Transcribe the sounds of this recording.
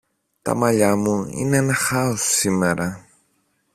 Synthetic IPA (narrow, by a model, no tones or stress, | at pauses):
t̪a̰maʎamuḭnenaxaosimeɾʔa